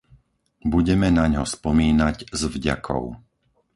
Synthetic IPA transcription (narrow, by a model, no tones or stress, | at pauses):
buɟɛmɛnaɲɦɔspɔmiːnaɟzvɟa̰kʰɔ̰ʊ